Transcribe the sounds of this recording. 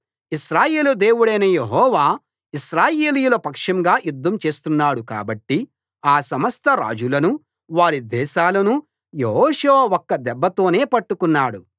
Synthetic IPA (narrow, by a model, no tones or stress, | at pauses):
iʃɾaːjeːlud̪eːwuɽɐjnɐjeɦɔːʋaː | iʃɾaːje̞ːlijulɐpɐkʂɐmɡaːjud̪ʱːɐmt͡ʃe̞ːst̪unːaːɽuka̰ːbɐʈːi | aːsɐmɐst̪ʰɐɾa̰ːd͡ʒulɐnu | ʋaːɽid̪ɛːʃaːlɐnu | jeɦɔːʃuʋɐɔkːɐd̪ɛbːɐt̪o̞ːne̞ːpɐʈːukunːaːɽu